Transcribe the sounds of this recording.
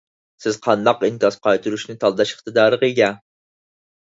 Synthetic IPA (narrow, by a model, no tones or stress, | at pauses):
sɪzqʰɑnd̪ɑqink̪ʲɑsqɑjt̪ʰuɾuʃnɪt̪ʰɑlˠd̪ɑʃɪ̥χt̪ɨd̪ɑːɾəqəjɡʲɛ